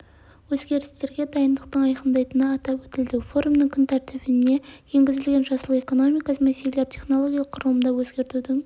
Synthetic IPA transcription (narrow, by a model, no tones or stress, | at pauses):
wɵzɡʲe̞ɾɪst̪e̞ɾɡʲe̞d̪ɑjənd̪əq̚t̪əɴɑjqənd̪ɑjt̪ənəːt̪ɑpwɵt̪ɪld̪ɪwfo̞ɾumnəŋkʰʲʏnt̪ʰæɾt̪ɪbɪne̞je̞ŋɡʲɪzɪlɡʲe̞nʒɑsəlˠəe̞ko̞no̞mijkɑsəmesejleɾtʲʰe̞χnolˠo̞ɡʲijɑlˠəqʰːʊɾəlˠəmd̪ɑwɵzɡʲe̞ɾt̪ud̪ɪ